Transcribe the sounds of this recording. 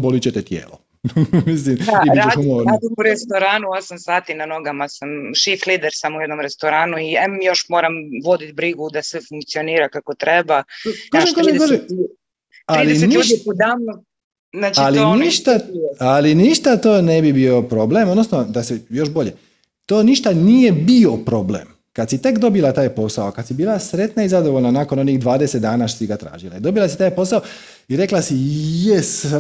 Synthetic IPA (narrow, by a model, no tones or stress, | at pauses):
bolit͡ɕet̪et̪jḛːlo | mis̬limaiɾt͡ʃedumoɾaːd̪imuɾest̪oɾaːnuosamsaːt̪inano̞ɡamasamʃiflid̪eɾsamujɛd̪no̞mɾest̪oɾaːnuiɛjo̞ʃmoːɾamʋo̞d̪it̪bɾiɡud̪asɛfuŋkt̪sioniːɾakakot̪ɾebakoʒekoʒkoʒe | alisnuipud̪amnu | nat͡ʃaliniʃt̪aaliniʃt̪at̪oːnebibio̞pɾo̞ble̞md̪no̞snod̪asejo̞ʃbo̞ʎe | t̪oːniʃt̪anije̞bio̞pɾo̞blḛːm | kad̪sit̪ekd̪o̞bilˠat̪aːjpo̞saokad̪sibiːlasɾe̞t̪naizad̪oʋo̞ʎnanaːkono̞niːɣd̪ʋaːd̪eset̪d̪aːnaːʃt̪osiɡat̪ɾa̰ːʒilˠa̰id̪o̞bilˠasit̪aːjpo̞sao | iɾe̞klasijɛs